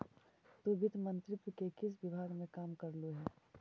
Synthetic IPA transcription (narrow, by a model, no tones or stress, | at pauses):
t̪oʋɪd̪mɐ̃nt̪ɾɪt̪wəkekɪs̬ʋɪbʱaːɡmẽkaːmkɐɾluɦɛː